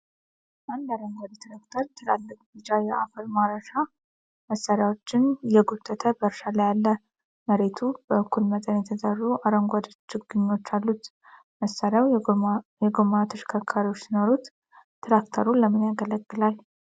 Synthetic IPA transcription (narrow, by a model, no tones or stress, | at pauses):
ʔand̪aɾəŋɡʷad̪t̪ʰɾakt̪ʰəɾt̪ʰəla̰lːəkʼdɨt͡ʃajɛafəlmaɾəʃa | məsːaɾjawo̞t͡ʃːɪnjɛɡut̪ʰːət̪ʰəbəɾʃalajalːə | məɾe̞t̪ʰubəɨkːulmət̪ʼənjɛt̪ʰəzʼarːuʔaɾəŋɡʷad̪t͡ʃːɪɡɨɲːo̞t͡ʃːalːut̪ | məsːaɾjawjɛɡomat̪ʰɨʃkʰəkʰːaɾiwot͡ʃːsɪnoɾut̪ | t̪ʰɾakt̪ʰəɾuləmːɨnjaɡələɡːɨlal